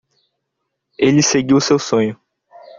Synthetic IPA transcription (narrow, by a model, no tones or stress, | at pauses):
elɪseɡiwsewsõɲʊ